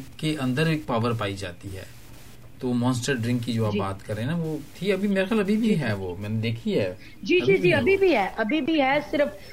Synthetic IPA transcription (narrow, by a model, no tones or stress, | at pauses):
keʔɐ̃nd̪əɾeːk̚paːʋəɾpaːid͡ʒa̰ːt̪iɦɛ̰ː | t̪oomɔ̃ːnsʈəɾɖɾɪ̃ŋkːid͡ʒoːaːpbaːt̪kɐɾːẽːnaʋot̪ʰiɐbʱimeːɾaxjalɐbʱibʱiɦɛʋomɛ̃ːned̪eːkʰiɦɛː | d͡ʒiːd͡ʒiːd͡ʒiːɐbʱibʱiɦɛʔɐbʱibʱiɦɛsɪɾəf